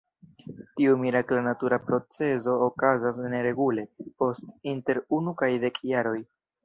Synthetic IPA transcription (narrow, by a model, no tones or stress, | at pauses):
tiumiɾaklanatuɾapɾo̞t͡se̞zo̞ːkazas̬neɾe̞ɡule̞po̞stinte̞ɾunukajde̞kjaɾo̞j